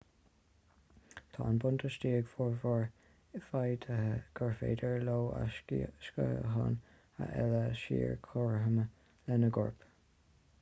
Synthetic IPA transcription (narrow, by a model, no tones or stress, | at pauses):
t̪ʰɑ̰ːnbʊnt̪ʰəʃtiːɡfɔɹvɔɹ | ɪfajd̪əɡ̥əɹfḛːdəɹloːa̰ʃkə̰ɦɑ̰n | ha̰ʔɛləʃḭːɹkʰɔɹɦəmə | lɛnəɡʊɹp